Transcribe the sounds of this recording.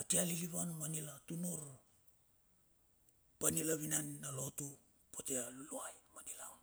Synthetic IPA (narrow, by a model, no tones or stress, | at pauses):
atialiliβanmanilatunuɾ | panilaβinannalo̞tu | potealuluajmanilawn